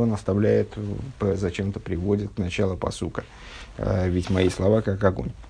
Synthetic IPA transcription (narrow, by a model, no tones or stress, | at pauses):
ənəst̪ɐvlʲæjɪt̪pəzɐt͡ɕe̞mt̪əpɾʲɪvo̞dʲɪt̪nɐt͡ɕalˠəpɐ̰sukə | vʲɪtʲmɐislˠɐvakakɐɡo̞̰nʲ